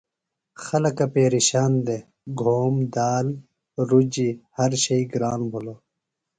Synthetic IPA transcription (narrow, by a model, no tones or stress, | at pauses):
xɐlɐkɐpeːɾiɕaːnd̪e | ɡʱoːmd̪aːl | ɾud͡ʑihɐɾɕɐiɡɾaːnbʱolo